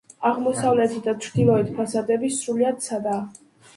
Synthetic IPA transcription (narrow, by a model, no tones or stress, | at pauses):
aʁmɔsavlɛt̪ʰid̪at͡ʃʰɾd̪ilˠɔit̪ʰpʰasad̪ɛbisɾuliad̪̥̚sʰad̪aː